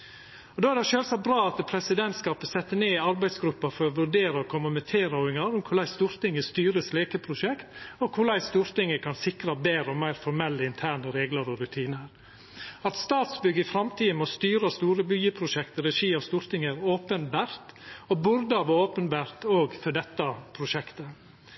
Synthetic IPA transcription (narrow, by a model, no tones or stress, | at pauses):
ɔd̪oːæɾd̪ɛʃøːlsɑt̪̚bɾɑːɑt̪pʰɾɛsɪd̪ɛnt̪skɑːpəsɛt̪ːəɳeːɑɾbæɪsɡɾʉpːɑfɔɾɔʋʉɖeːɾəɔkʰʊməmət̪ʰeːɾɑʊɪŋɑɾʊmkʰʊɭæɪst̪uːɾt̪ɪŋəst̪yːɾəsleːkəpʰɾʊʂɛkt̪ɔkʰʊɭæɪst̪uːɾt̪ɪŋəkʰɑnsɪkɾɑbeːɾɔmæɪɾfɔɾmɛlːəɪnt̪ʰæːɳəɾeːɡləɾɔɾʉt̪ʰiːnəɾ | ɑt̪st̪ɑːt̪sbʏɡːəɪfɾɑmt̪ʰiːmɔst̪yːɾɑst̪uːɾəbyːəpʰɾʊʂɛkt̪ɾɛʂiːɔst̪uːɾt̪ɪŋəɾoːpənbæːɾt̪ɔbʊɾd̪ɑʋɔoːpənbæːɾt̪oːɡfɔɖɛt̪ːɑpʰɾʊʂɛkt̪ə